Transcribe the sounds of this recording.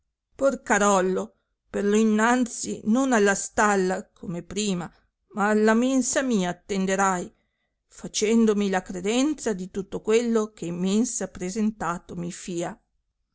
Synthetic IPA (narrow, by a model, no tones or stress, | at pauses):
porkaɾɔlːo | perloinːant̪sinonalːast̪alːakʰomepɾiːma | maːlːamensamiːaːt̪ːend̪eɾaj | fat͡ʃɛnd̪omilakɾed̪ɛnt̪sad̪it̪ut̪ːokwelːokemːensapɾezent̪aːt̪omifiːa